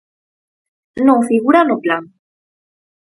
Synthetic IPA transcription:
nofiɣuɾaloplan

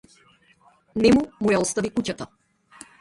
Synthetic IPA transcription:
nɛmumujaɔst̪avikucat̪a

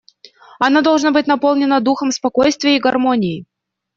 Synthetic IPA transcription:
ɐnad̪ɐlˠʐnabɨtʲnɐpolˠnʲɪnəd̪uxəmspɐkojst̪vʲɪjəiɡɐrmonʲɪɪ

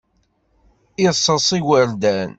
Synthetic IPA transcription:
isˤːəsˤiwəɾd̪æn

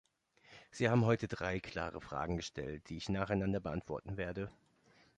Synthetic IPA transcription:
z̥iːhaːbm̩ɦɔʏtədʁaɪkʰl̥a̰ːʁ̞əfʁ̥a̰ːɡŋ̩ɡəʃtʰɛ̰lt̚d̥iːɪçnaːχaɪnandɐbəʔantv̥ɔɐtn̩veːɐdə

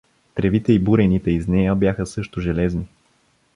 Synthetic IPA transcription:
t̪ɾɛvit̪ɛibuɾɛnit̪ɛiznɛjəbjaxəsɤʃt̪ʊʒɛlɛzni

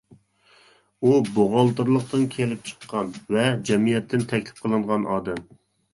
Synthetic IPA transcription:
uboʁɑlˠt̪ɨɾlˠəq̚t̪ɨnkʲʰelɪp̚t͡ʃʰə̥qːɑnvɛd͡ʒɛmijɛt̪ʰːɪnt̪ʰɛkʲlɪ̥p̚qʰəlˠɨɴʁɑnʔɑːd̪ɛm

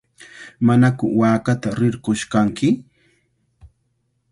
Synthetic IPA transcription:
manakʊwaːkat̪aɾɪɾqoʃkaŋkɪ

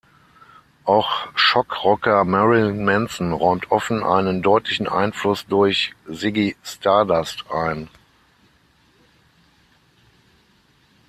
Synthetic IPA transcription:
ʔaʊxʃɔkʁɔkɐmɛʁɪmɛnsn̩ʁɔʏmtʰʔɔfn̩ʔa̰ɪnəndɔʏtlɪçn̩ʔa̰ɪnflʊsd̥ʊɐçzɪɡistʰaɐdastʔaɪn

